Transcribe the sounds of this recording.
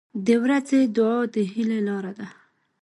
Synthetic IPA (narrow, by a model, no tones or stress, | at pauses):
d̪əwɾazed̪ʊɑd̪əɦilelɑɾad̪a